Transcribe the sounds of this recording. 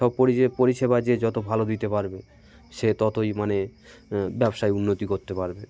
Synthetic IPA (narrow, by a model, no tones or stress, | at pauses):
ɔb̚poɾiepoɾiʃeβad͡ʑed͡ʑɔt̪obʱalod̪it̪epaɾbe | ʃet̪ɔt̪ʰojmane | bɛbʃaeunːot̪ikoɾt̪epaɾbe